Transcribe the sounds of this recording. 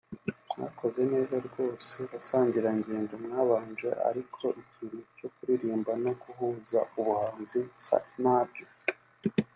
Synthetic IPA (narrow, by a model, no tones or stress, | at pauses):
mŋa̰ko̞ze̞ne̞ːzaɾɡo̞ːse̞βasaːɲɟiɾaiɲɟe̞ːndomŋaːβaːnʒe̞̰ʔa̰ɾikʰo̞ʔiciɾuco̞kuɾiɾiːmbano̞ɡuɦuːzauβuhaːnzisa̰naːbɟo̞